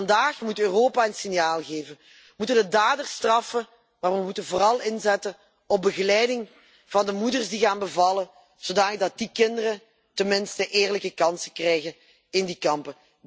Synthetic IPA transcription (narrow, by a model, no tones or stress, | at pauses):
ndaːxmutøːroːpaənsɪnjaːlˠɣeːvən | əəmutəndədaːdərstrɑfə | maːʋəmutənvoːrɑlˠɪnzɛtə | ɔb̚bəɣəlɛjdɪŋ | v̥ɑndəmudərzdiɣaːnbəvɑlə | z̥odaːnləɡ̚dɑt̚dikɪndərə | tənmɪnstəʔeːrləkəkɑnsəkrɛjɣən | ɪndikɑmpə